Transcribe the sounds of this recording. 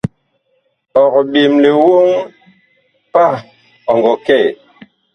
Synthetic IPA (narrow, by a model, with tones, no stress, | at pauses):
ɔ˨kɓe˨mle˨wo˦ŋ | pa˦˨ | ɔ˨ŋɡɔ˨kɛ˦˨